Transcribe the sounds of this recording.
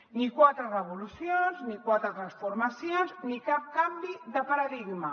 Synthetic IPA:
nikwat̪ɾərəβulusjonznikwat̪ɾat̪ɾansfuɾmasjonznikap̚kambiðəpaɾaðiɡma

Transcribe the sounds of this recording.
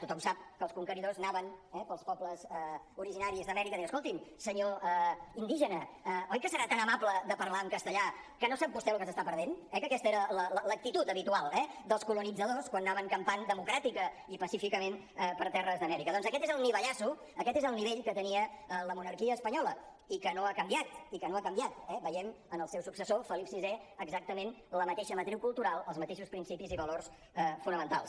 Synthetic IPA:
t̪ut̪ɔmsap̚kəlˠskuŋkəniðoznaβənɛpəlˠspɔpləzə | uɾiʒinaɾizðəmɛɾikəðijwəskolˠt̪imsəɲoəind̪iʒənəəɔjkəsəɾat̪anəmapləd̪əpəɾlaəmkəst̪əʎa | kənosap̚bust̪ɛlukəsəst̪apəɾðenɛkəkɛst̪əeɾələlələk̚t̪it̪ut̪əβit̪ualˠɛd̪əlˠskulunid͡zəðoskwanːaβəŋkəmpand̪əmukɾat̪ikə | ipəsifikəmen | ɛpəɾt̪ɛrəzðəmɛɾikəðɔnzəkɛt̪ezəlˠniβəʎasu | əkɛt̪ezəlˠniβeʎkət̪əniəələmunəɾkiəːspəɲɔlə | ikənoakəmbiat̪ikənoakəmbiat̪ɛβəjɛm | ənəlˠsɛwsuksəsofəlipsizɛəɡzak̚t̪əmenləmət̪eʃəmət̪ɾiwkulˠt̪uɾalˠəlˠzmət̪eʃuspɾinsipiziβəlors | ɛfunəmənt̪a̰lˠs

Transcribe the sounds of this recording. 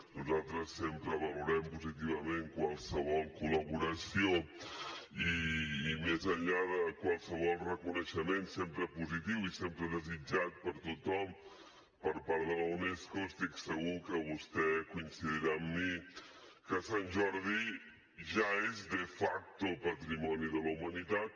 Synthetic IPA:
nuzalˠt̪ɾəsːempɾəβəluɾɛmpuzit̪iβəmeŋkwalˠsəβɔlˠkuləβuɾəsio | iːmezəʎʎaðəkwalˠsəβ̞ɔlˠrəkunəʃəmensempɾəpuzit̪iwisempɾəðəzid͡ʒat̪̚pəɾt̪ut̪ɔm | pəɾpaɾðələwneskost̪iksəɣukəβust̪ɛkunsiðəɾaːmːi | kəsanʒɔɾði | ʒaezðəfak̚t̪opət̪ɾimɔniðələwmənit̪at̪̚

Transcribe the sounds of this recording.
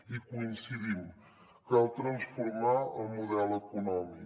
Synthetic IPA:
ikuinsiðim | kalˠt̪ɾənsfuɾmaəlˠmuðɛləkunɔmik

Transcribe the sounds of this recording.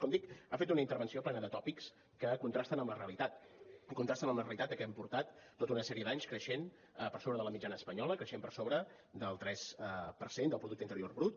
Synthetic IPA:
kɔmd̪ikafet̪unəint̪əɾβənsioplɛnəðət̪ɔpiks | kəkunt̪ɾast̪ənəmləreəlit̪at̪ | kunt̪ɾast̪ənəmləreəlit̪at̪əkɛmpuɾt̪at̪ːot̪əunəsɛɾiəd̪aɲskɾəʃen | əpəɾsoβɾəðələmid͡ʒanəːspəɲɔləkɾəʃempəɾsoβɾə | d̪əlˠt̪ɾɛsəpəɾsend̪əlˠpɾuðuk̚t̪int̪əɾioɾrβɾut̪

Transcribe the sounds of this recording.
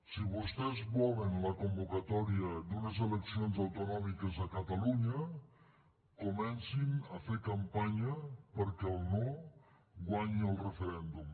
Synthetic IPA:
siβust̪ɛzβɔβənləkumbukat̪ɔɾiəd̪unəzeləksionzawt̪unɔmikəzəkət̪aluɲə | kumɛnsiməfeɾkampaɲəpəɾkɛlˠno | ɡwaɲiəlˠrəfəɾɛnd̪um

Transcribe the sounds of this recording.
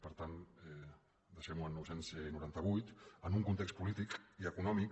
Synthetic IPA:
pəɾt̪anɛ | d̪əʃɛmuənːɔwsensnuɾant̪əβ̞ujt̪ənuŋkunt̪ekst̚pulit̪ikiəkunɔmik

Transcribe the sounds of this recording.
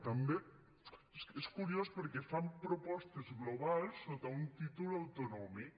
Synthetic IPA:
t̪ambe | eskuɾiospəɾkefampɾopɔst̪ezɣloβ̞alˠsːot̪aunt̪it̪ulawt̪onɔmik

